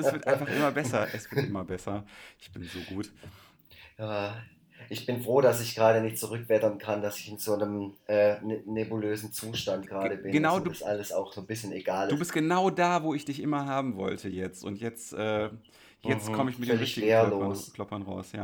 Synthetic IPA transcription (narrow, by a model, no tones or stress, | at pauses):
ɛsv̥ɪɐtʔaɪnfaχʔɪmɐbɛsɐʔɛsv̥ɪɐtʔɪmɐbɛsɐʔʔɪçb̥ɪnzoːɡuːt | jaː | ʔɪçb̥ɪnfʁ̥oːdasɪçɡ̥ʁaːɾənɪçtt͡suʁʏkv̥ɛtɐnkʰandasɪçɪnzoːnəmʔɛːnnebuløːzn̩t͡suːʃtant̚ɡ̥əʁaːɾəbɪnɡ̥ənaʊdusʔa̰ləsa̰ʊxz̥oːnbɪsçəneɡaːlduːbɪst̚ɡ̥ənaʊdaːvoːɪçd̥ɪçʔɪmɐɦaːbm̩vɔ̰ltʰəjɛt͡stʊ̰ntjɛt͡stʔɛː | jɛt͡stkʰɔməɪçmɪt̚denʁɪçtɪɡeːɐlonskʰlɔpɐnʁa̰ʊsja̰ː